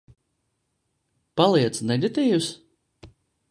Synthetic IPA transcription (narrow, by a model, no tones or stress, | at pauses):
palˠiɛt̪snɛlʲit̪ʲiːjus